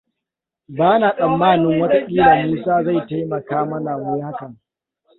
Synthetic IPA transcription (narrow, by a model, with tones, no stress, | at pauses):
baː˦na˨sʼɐ˨mːaː˦˨nɪ˦ŋwɐ˦ta˦ʔʲiː˦naː˨miː˦saː˦za˦˨jta˦jmɐ˨kaː˦mɐ˦na˨wʊ˦jha˦kɐ˨ŋ